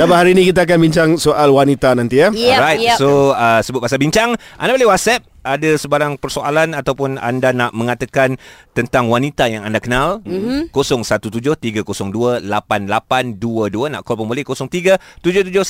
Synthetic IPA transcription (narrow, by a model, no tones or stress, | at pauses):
dapaɦaɾiːnĩkit̪̬aak̬anbiɲt͡ʃaŋsoʔalwanit̪anãnt̪ijəɾajt̚soəsəbuʊt̚pasabiɲt͡ʃaŋʔa̰ndabolɛwat̪̚sɛp̚adəsəbaɾaŋpərsoalanat̪awpʊna̰ndanaʔmə̃ŋat̪akant̪ənt̪aŋwanit̪ajaŋandakənalkosɔŋsat̪ut̪ud͡ʒʊht̪iɡəkosɔŋduəlapanlapanduəduəna̰ʔkɔlpɔŋmbolɪhkosɔŋt̪iɡət̪ud͡ʒʊht̪ud͡ʒʊh